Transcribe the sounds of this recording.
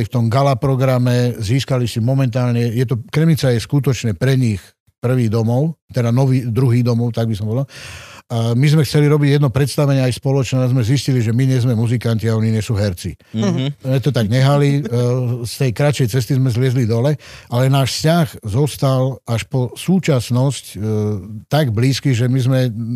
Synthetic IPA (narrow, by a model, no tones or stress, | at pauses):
lift̪ɔmɡalapɾɔɡɾamɛziːskalisimɔmɛnt̪aːlɲɛjɛt̪ɔkɾɛmit͡sajɛskut̪ɔt͡ʃnɛpɾɛɲix | pr̩ʋiːɣd̪ɔmɔʊt̪ɛd̪anɔʋiːd̪ɾuɦiːd̪ɔmɔʊt̪aɡ̚bisɔmpɔd̪a | mizmɛxt͡sɛliɾɔbiɟjɛd̪nɔpɾɛt̪st̪aʋɛɲɪɛajspɔlɔt͡ʃnɛazmɛzisciliʒɛmiɲɛzmɛmuzikanciaɔɲiɲɪɛsuːɦɛɾt͡si | mɛt̪ɔt̪aɡɲɛɦali | st̪ɛjkɾat͡ʃɛjt͡sɛst̪izmɛzlɪɛzlid̪ɔlɛalɛnaːʃfscaɣzɔst̪alaʃpɔsuːt͡ʃasnɔsc | t̪aɡbliːskiɣʒɛmizmɛ